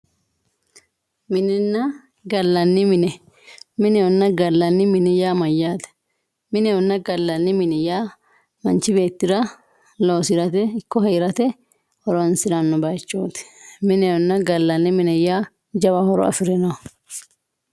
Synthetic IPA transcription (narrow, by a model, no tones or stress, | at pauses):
mɪnɛnːɐ | ɡɐlːɐnːɪmɪnɛ | mɪnɛjɔnːɐɡɐlːɐnːɪmɪnɛjaːmɐjːaːt̪ɐ̥ | mɪnɛjɔnːɐɡɐlːɐnːɪmɪnɛjaː | mɐnt͡ʃːɪbe̞ːt̪ːɪɾɐ | loːsɪɾɐt̪ɛɪkːɔɦɐjɾɐt̪ɛ | hɔɾɔɐnsɪɾɐnːɔbɐjt͡ʃːoːt̪ɪ̥mɪnɛjɔnːɐɡɐlːɐnːɪmɪnɛjaː | d͡ʒɐbɐhɔɾɔ̰ɐ̰fɪɾɛnɐw